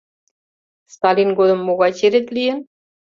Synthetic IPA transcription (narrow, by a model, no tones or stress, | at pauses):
st̪ɑlʲinɡod̪ɤ̆mːoɣɑt͡ɕeɾĕt̪lʲijɘ̆n